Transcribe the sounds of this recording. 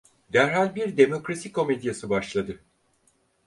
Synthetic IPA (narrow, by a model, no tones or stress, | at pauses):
d̪æɾɦalʲbiɾd̪e̞mo̞kɾasikʰo̞med̪ijasɯbaʃlˠad̪ɯ